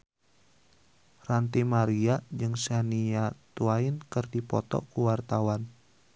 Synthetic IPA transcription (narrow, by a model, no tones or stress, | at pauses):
rant̪imaɾiad͡ʒɨŋsaniat̪uaɪnkərdipɔt̪ɔ̰kuwart̪awan